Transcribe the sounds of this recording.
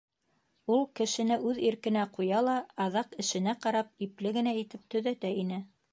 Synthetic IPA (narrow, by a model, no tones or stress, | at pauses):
ulˠkɘ̆ʃɘ̆nɘʔʉðiɾkɘ̆næqujɑlˠɑːðɑqɘ̆ʃɘ̆næqɑɾɑp̚iplɘɡɘ̆næit̪ɘp̚t̪ɵ̆ðæt̪æinɘ